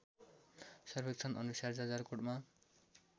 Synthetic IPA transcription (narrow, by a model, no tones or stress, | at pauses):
sʌrbʱek̚t͡sʰʌnʔʌnusard͡zad͡zarkoɽma